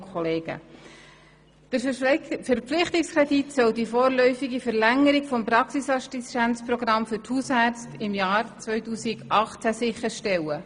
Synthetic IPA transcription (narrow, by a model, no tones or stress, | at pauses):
kʰɔleːɡ̥ə̰ | d̥̪əɾfəɾpflɪχt̪ɪkskɾeditsœldifoːɾlœʏfɪɡifəɾlæŋːəɾikfɔmpɾɑksisɑʃtisʃænt͡spɾɔɡɾɑmfʏɾthuːshæːɾt͡stɪmjɑːɾt͡sʋœʏtuːsɪɡʔɑχt͡sæsɪχəɾʃtɛlːə